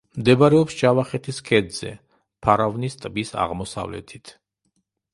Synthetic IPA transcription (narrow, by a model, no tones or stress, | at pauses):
md̪ɛbaɾɛɔpst͡ʃavaχɛt̪ʰiskʰɛd̪z̥ɛ̰ | pʰaɾavnist̪ʼbisa̰ʁmɔsa̰vlɛ̰t̪ʰit̪ʰ